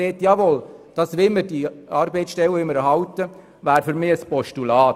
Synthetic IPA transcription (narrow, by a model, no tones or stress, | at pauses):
eːtjɑʋold̥ɑsʋɪlməɾd̥iɑːɾbeɪtsʃtɛləɪmːəɾəɦɑwtə | væːɾfʏɾmɪːəspɔʃtulɑːt